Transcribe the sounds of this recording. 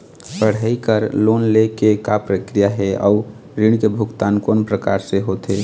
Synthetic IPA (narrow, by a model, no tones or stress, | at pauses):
pəɽ̤əikəɾlonlekekapɾəkɾijaɦɛa̰u | ɾiɽkebʱuɡt̪ankonpɾəkaɾseɦot̪ɦe